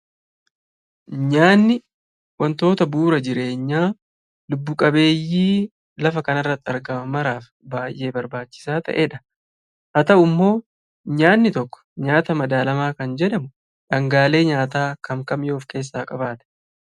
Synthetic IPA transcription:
ɲaːnːɪ | wɐnt̪o̞ːt̪ɐbuːɾɐd͡ʒɪɾe̞ːɲːaː | lʊbːʊkʼɐbe̞ːjːiː | lɐfɐkɐnɐrːɐt̪ːɪɐɾɡɐmɐmɐɾaːf | baːjʔe̞ːbɐɾbaːt͡ʃːɪ̥saːt̪ɐ̰ʔeːᶑɐ | hɐt̪ɐʊmːo̞ː | ɲaːnːɪt̪ɔkːɔ̥ɲaːt̪ɐmɐd̪aːlɐmaːkɐnd͡ʒɛᶑɐmʊ | ᶑɐŋɡaːle̞ːɲaːt̪aːkɐmkɐmjo̞ːfke̞ːs̬ːaːkʼɐbaːt̪ɛ̥

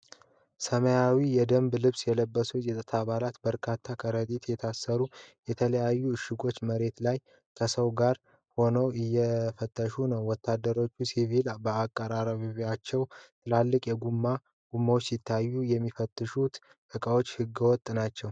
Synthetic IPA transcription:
səməjawijɛd̪əmblɨβsjɛləbːəsut͡ʃʼit̪ʼət̪ʰaβalat̪bəɾkʰat̪ʰːakʰəɾət̪ʼit̪jɛt̪ʰasːəɾujɛt̪ʰələjajːuɨʃːɪɡo̞t͡ʃːməɾe̞t̪laj | kʰəsəwɡaɾ | ho̞nəwɨjːɛfət̪ʰʼːəʃunəwːɔt̪ːad̪ːəɾo̞t͡ʃːusivilbəakʼːəɾaɾəβiβat͡ʃːɛwt̪ʰɨlalːɨkʼjɛɡumːa | ɡ̥umːawot͡ʃːsɪt̪ʰːajːujɛmːifət̪ʼːɨʃut̪ʼ | əkʼawot͡ʃːhɨɡːəwɔt̪ʼːnat͡ʃːɛw

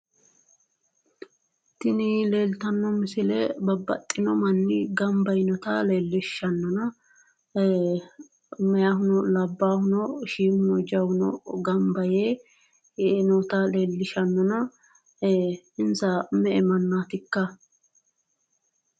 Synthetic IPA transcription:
t̪ɪnile̞ːlt̪ɐnːɔmɪsɪlɛbɐbːɐ̰t̪ʼːɪnɔmɐnːɪɡɐmbɐjnɔt̪ɐle̞ːlːɪʃːɐnːɔnɐ | mɛjaɦʊnɔlɐbːaːhʊnɔʃiːmʊnɔd͡ʒɐwʊnɔ̰ɡɐmbɐjeː | nɔt̪ɐle̞ːlːɪʃɐnːɔnɐ | ɪnsɐmɛɛmɐnːaːt̪ɪkːɐ

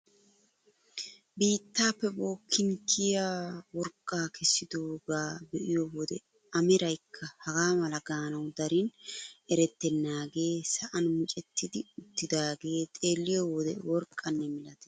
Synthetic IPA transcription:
biːt̪ːaːpːɛbo̞ːkʰːɪŋkʰɪjawɔɾkʼːaːkʰɛsːɪd̪oːɡaːbɛʔɪjowɔd̪ɛ | ɐmɪɾɐjkʰːɐhɐɡaːmɐlɐɡaːnɐwd̪ɐɾɪnɛɾɛt̪ːɛnːaːɡe̞ːsɐʔɐnmʊt͡ʃʼɛt̪ʰːɪd̪ɪʊt̪ːɪd̪aːɡe̞ːt̪ʼe̞ːlːɪjɔwɔd̪ɛ̰wɔɾkʼːɐnːɛmɪlɐt̪ɛ̥

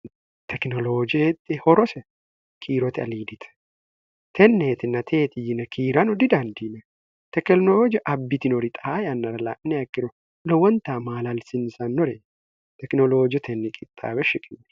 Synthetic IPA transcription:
t̪ʰɛknɔloːd͡ʒt̪ʼːɪhɔɾɔsɛ | kʰiːɾɔt̪ɪɐ̰liːd̪ɪt̪ʰɛ̥ | t̪ʰɛnːeːt̪ɪnɐt̪ʰeːt̪ɪjɪnɐkʰiːɾɐnɔd̪ɪd̪ɐnd̪inɐ | t̪ɛklnɔod͡ʒʔɐbːɪt̪ɪnɔɾɪt̪ʼaːjɐnːɐɾɐlaːʔnːɛɐkːɪɾɔ | lɔwɐnt̪aːmaːlɐlsɪnsɐnːɔɾɛ | t̪ɛknɔloːd͡ʒɔt̪ʰɛnːɪkʼɪt̪ʼːa̰ːβɛʃɪkʼɪnːɛ

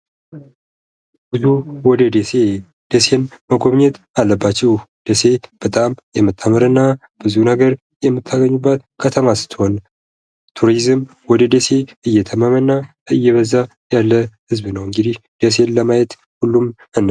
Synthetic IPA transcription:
bɨzuwɔd̪əd̪ese | d̪̥ese̞nməɡoβɲɛt̪ | alːəbːat͡ʃːɛwd̪̥ese̞b̥ət̪ʼamjɛmːɨt̪ʰːamɨɾɨnːa | b̥ɨzunəɡəɾ | jɛmːɨt̪ʰːaɡəɲːubːat̪kʰət̪ʰəmasɨ̥t̪ʰːho̞n | t̪ʰuɾizɨm | wɔd̪əd̪ese̞ɨjːɛt̪ʰəmamənːa | ɨjːɛβəzːa | jalːəhɨzβnəwɨŋɡɨd̪ihd̪̥es̬e̞nləmajɛt̪ | hulːum | ɨnː

